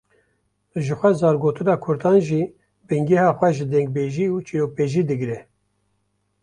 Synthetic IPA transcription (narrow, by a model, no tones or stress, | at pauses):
ʒɨxʷɛzɑːɾɡoːt̪ɨnɑːkʰʊɾd̪ɑːnʒiː | bɨŋɡɛhɑːxʷɛʒɨd̪ɛŋɡ̚beːʒiːut͡ʃʰiɾoːk̚peːʒiːd̪ɨɡɾɛ